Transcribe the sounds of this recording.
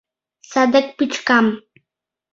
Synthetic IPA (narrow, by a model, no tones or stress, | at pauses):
sad̪ek̚pɪt͡ʃkam